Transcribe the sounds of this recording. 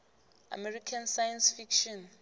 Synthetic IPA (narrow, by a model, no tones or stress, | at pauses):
a̰mɛrikʰansajansfikʃɔn